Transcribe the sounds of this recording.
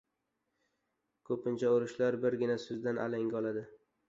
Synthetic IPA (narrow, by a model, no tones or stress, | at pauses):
kʰɵpʰɪnt͡ʃʰaoɾɪʃlaɾbɪɾɡʲɪnasʊzd̪anʔa̰laŋɡʲaɒlˠad̪ɪ